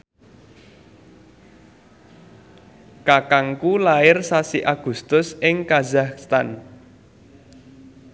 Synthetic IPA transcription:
kakaŋkulaɪrsasiʔaɡ̥ṳst̪ʊsʔɪŋkazahst̪an

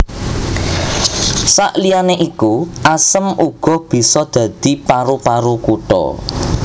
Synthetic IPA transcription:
saʔlianeʔikuʔasəmʔuɡ̥ɔ̤hb̥i̤sɔd̪̥ä̤d̪̥i̤paɾupaɾukuʈɔ̰

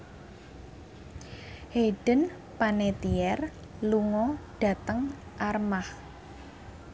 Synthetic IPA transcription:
heɖ̥ə̤n | panet̪iɛr | luŋɔɖ̥ä̤t̪əŋʔarmah

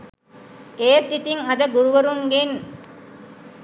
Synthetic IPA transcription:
eːt̪ːit̪iŋɐd̪ɐɡuɾuʋɐɾuŋɡen

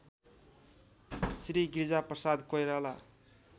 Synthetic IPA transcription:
sriɡird͡zaprʌsad̪kojɾala

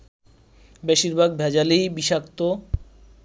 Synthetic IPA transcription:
beʃiɾbʱaɡ̚bʱɛd͡ʑalijbiʃakt̪o

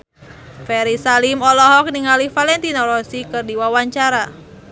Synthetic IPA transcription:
fɛɾisalimɔlɔɦɔk̚niŋalifalɛnt̪inɔlɔsikɨrdiwawaɲt͡ʃaɾa

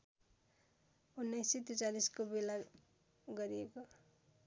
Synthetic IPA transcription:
unːʌjset̪ut͡saliskobela | ɡʌɾieko

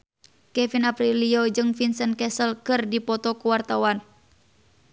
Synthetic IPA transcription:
kɛfinapɾiliod͡ʒɨŋfinsənkɛsəlkɨrdipɔt̪ɔkuwart̪awan

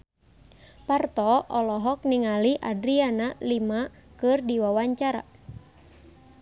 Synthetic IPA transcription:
part̪ɔɔlɔɦɔk̚niŋaliʔa̰dɾianalimakɨrdiwawaɲt͡ʃaɾa̰

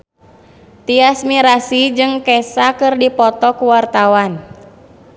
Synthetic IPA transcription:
t̪iasmiɾasid͡ʒɨŋkɛsakɨrdipɔt̪ɔkuwart̪awan

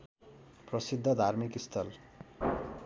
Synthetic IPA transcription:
prʌsid̪ʱːʌd̪ʱarmikist̪ʰʌl

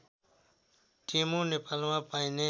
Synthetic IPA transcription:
ʈimonepalmãpajne

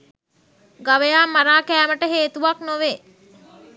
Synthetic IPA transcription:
ɡaʋejaːmːaɾaːkæːməʈəɦeːt̪uʋaknoʋe

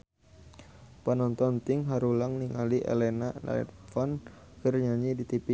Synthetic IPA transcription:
pənɔnt̪ɔnt̪ɪŋɦaɾulaŋniŋaliʔḛlɛnana̰ɛ̰tfɔnkərɲaɲidit̪ipi

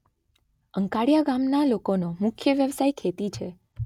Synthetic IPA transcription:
əŋkaɽijaɡamnalokonomʊkʰjəʋjəʋsajkʰet̪it͡ʃʰe

